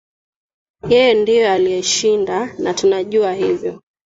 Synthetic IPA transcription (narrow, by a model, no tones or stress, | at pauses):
jɛjɛndijɔalijɛʃindanatunaʄuahivjɔ